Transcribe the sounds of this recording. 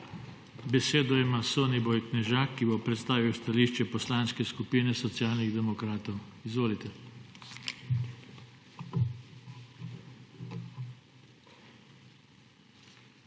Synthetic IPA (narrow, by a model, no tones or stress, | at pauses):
bɛseːd̪ɔimasoːnibɔjknɛʒaːkːibopɾɛt̪st̪aːʋiwst̪aliːʃt͡ʃɛpɔslaːnskɛskupiːnɛsɔt̪sjaːlniɣd̪ɛmɔkɾaːt̪ɔwizʋoːlit̪ɛ